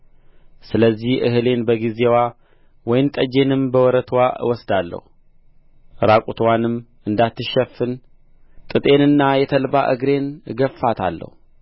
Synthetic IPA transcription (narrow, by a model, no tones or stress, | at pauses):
sɨləzːihʔɨhɨle̞nbəɡizewa | wɔjɪmt̪ʼəd͡ʒe̞nɨmbəwɔɾət̪ʰwawɔsd̪alːə̰hu | ɾakʷʼut̪ʰwanɨm | ʔɨnd̪at̪ːɨʃːɛfːɨn | t̪ʼɨt̪ʼe̞nɨnːajɛt̪ʰəlba̰ʔɨɡɾe̞nɡəfːat̪ʰa̰lːə̰hu